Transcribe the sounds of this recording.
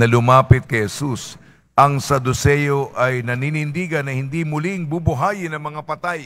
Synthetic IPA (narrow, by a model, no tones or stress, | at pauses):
nɐlʊmaːpɪt̪̚kɐjhɛsus | ʔɐŋsɐd̪ʊsɛjoʔɐjnɐninɪnd̪iɡɐnːɐhɪnd̪imʊlɪŋbubʊɦaːjɪnɐŋmɐŋapɐt̪aj